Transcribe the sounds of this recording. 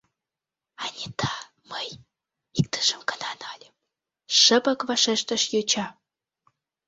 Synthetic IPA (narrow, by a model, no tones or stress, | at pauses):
ɑnʲet̪ʰɑ | məj | ik̚t̪ə̥ʒəmkənɑnɑlʲəm | ʃəpə̆kvɑʃeʃt̪əʃjøt͡ɕɑ